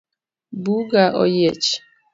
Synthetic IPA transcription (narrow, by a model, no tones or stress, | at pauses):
buɡaʔɔ̰jet͡ʃ